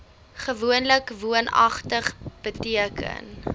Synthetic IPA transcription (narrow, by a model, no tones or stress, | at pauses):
χəvuənləkvuənɐ̰χtəχb̥ətiəkə̰n